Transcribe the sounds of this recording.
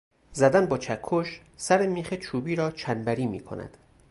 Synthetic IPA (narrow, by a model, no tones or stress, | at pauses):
zæd̪ænbɒːt͡ʃʰækʰːoʃ | sæɾemiːxet͡ʃʰuːbiːɾɒːt͡ʃʰænbæɾiːmḭːkʰo̰næ̰d̪̥